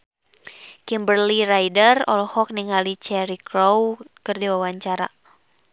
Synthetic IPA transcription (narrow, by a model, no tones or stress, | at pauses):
kimbərlirajdərɔ̰lɔhɔk̚niŋalit͡ʃɛɾikɾowkɨrdiwawaɲt͡ʃaɾa̰